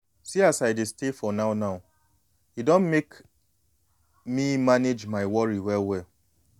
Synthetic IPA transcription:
siasaɪdestefɔnaʊnaʊ | hidɔ̃nmek | mimaned͡ʒmaɪwɔɹiwɛlwɛl

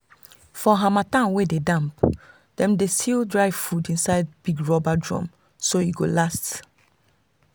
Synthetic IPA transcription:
fɔɦamatãnwededãmp | d̥ɛ̃mdestʰildɹaɪvfudĩnsaɪd̚biɡɹɔbadɹɔ̰̃m | soiɡolast

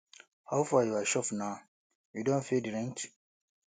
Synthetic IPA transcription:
hawfajuaʃɔfna | judõnfidiɾɛ̃nt͡ʃi̥

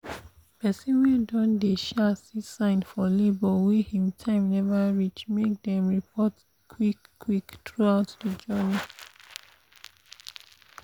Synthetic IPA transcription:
pɛsĩnwɛdɔ̃ndeʃɛsisãɪ̃nfɔlebɔwihĩmtʰãɪ̃mnɛvəɹit͡ʃmek̚dɛ̃mɹipʰɔt | kʰwikːwiktɹuaʊtdəd͡ʒɜni

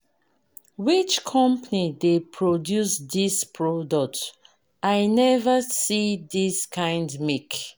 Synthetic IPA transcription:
wit͡ʃkʰɔ̃mpanidepʰɹodjusdispʰɹɔdɔk̚t | ajnɛvəsidiskʰãɪ̃ndmik

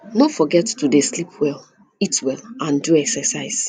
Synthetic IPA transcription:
nɔfɔɡɛttudeslipʰwɛlˠ | itwɛlãnduɛksɛsaɪs

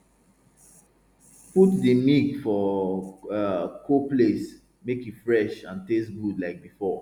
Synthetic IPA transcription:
putdəmiɡfɔ | kʰoples | mekitfɹɛʃãntestɡudlaɪk̚bifɔ

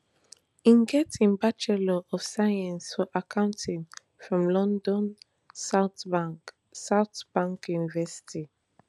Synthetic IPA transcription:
ĩnɡɛtĩnbat͡ʃɛlɔʔɔfsajãnsfɔʔakʰãʊ̃ntʰĩŋ | fɹɔ̃mlɔ̃ndɔ̃n | saʊt | saʊtb̥ãŋkjunivɛsi̥ti

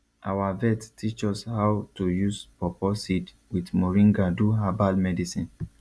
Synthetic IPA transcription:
ʔawavɛttʰit͡ʃɔshawtujuspɔpɔsid | widmɔɹĩŋɡaduɦabalmɛdisĩn

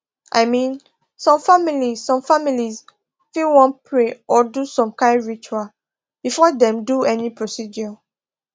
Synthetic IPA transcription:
ʔa̰ɪmĩn | sɔ̃mfamilizsɔ̃mfamiliz | filwɔ̃npʰɹeɔdusɔ̃mkãɪ̃ndɹit͡ʃual | b̥ifɔdɛ̃mduɛnipɹosidɔ

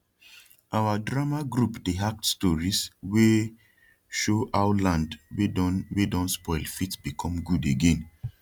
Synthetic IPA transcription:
ʔawadɹamaɡɹupdeɦak̚tstɔɹiswe | ʃoʔaʊlãndwednwedɔ̃nspɔɪlfitbikʰɔ̃mɡudeɡẽn

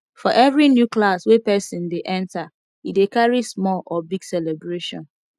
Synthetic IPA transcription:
fɔʔɛvɹinjuklaswɛpɛsĩndeʔɛ̃nta | idekaɹismɔlɔbiɡsɛlebɹeʃɔ̰̃n

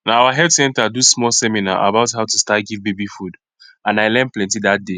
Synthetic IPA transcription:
naawaɦɛtsɛ̃ntadusmɔlsɛmina̰ʔa̰baʊtɦaʊtustatɡivbebifud | ãnaɪlɛ̃nplɛ̃ntiðat̚de

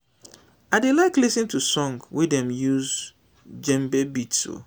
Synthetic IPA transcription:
aɪdelaɪklisɨ̃ntʰusɔ̃ŋɡwidɛ̃mjuz | d͡ʒɛ̃mbɛbitso̰

